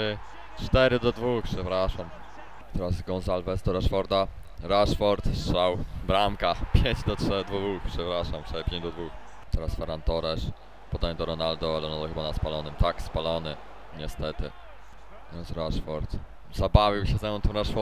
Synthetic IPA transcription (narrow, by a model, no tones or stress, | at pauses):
t͡ʂt̪ɛɾɘd̪ɔd̪vuxpʂɛpɾaʂam | t̪ɛɾasɡɔnzalvɛsd̪ɔɾaʂfɔɾd̪a | ɾaʂfɔɾt̪sʂawbɾamkapʲjeɲd͡ʑd̪ɔtʂɛd̪vuvuxpʂɛpɾaʂamtt̪ɛɾpʲjẽɲd͡ʑd̪ɔd̪vux | t̪ɛɾasfɛɾant̪ɔɾɛʂ | pɔd̪aɲɛd̪ɔɾɔnald̪ɔalɛnɔt̪ɔxɘbanaspalɔnɘmt̪akspalɔnɘ | ɲɛst̪ɛt̪ɘ̰ | ɛsɾaʂfɔɾt̪ | zabavʲjiwɕɛzɛmɔ̃nt̪ɔmɾaʂfɔ